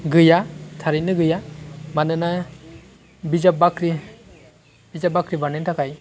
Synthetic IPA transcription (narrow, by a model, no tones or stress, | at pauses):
ɡɯjatʰaɾinɯɡɯjamanɯna | bizap̚bakɾi | b̥izabakʰɾibanentʰakʰaj